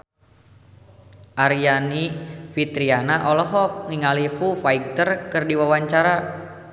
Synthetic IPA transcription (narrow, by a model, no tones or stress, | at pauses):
ʔaɾijanifit̪ɾianaʔɔlɔɦɔk̚ŋiŋalifufaik̚t̪ərkɨrdiwawaɲt͡ʃaɾa